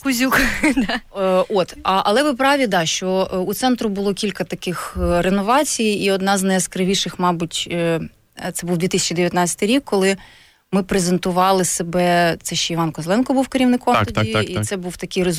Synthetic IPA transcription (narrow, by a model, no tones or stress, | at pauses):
kʊzʲukd̪ot̪ɐʔɐlˠɛʋɪp̬ɾɑʋʲid̪ɑʃt͡ʃɔut̪sɛnt̪ɾʊbʊlˠɔkʲilʲkɐt̪ɐkɪxrenɔʋɑt͡sʲijiɔd̪nɑznɐjɐskɾɪʋʲiʃɪxmɑbʊtʲ | t̪sɛbuwd̪ʋʲit̪ɪsʲɐ̥t͡ʃid̪eʋʲjɐt̪nɑt͡sʲsʲɐ̥t̪ɪjɾʲikːɔlˠɪ | mɪpɾezent̪ʊʋɑlˠɪsebɛt̪sɛʃt͡ʃɔiʋɑnkɔzlˠɛnkɔbuwkeɾʲiʋnɪkɔmd̪iit̪sɛbuwt̪ɐkɪjrez